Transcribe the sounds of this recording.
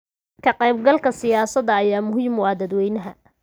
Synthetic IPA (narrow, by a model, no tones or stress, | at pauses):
kʰɐqɛjb̚ɡɐlkʰɐsɪjaːsɐðɐːjaːmʊɦiːmʊaːd̪ɐd̪wɛjnɐɦɐ